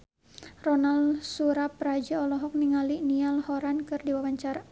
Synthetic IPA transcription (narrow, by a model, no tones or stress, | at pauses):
rɔnalsuɾapːɾad͡ʒaɔlɔɦɔk̚niŋalinialhɔɾankɨrdiwawaɲt͡ʃaɾa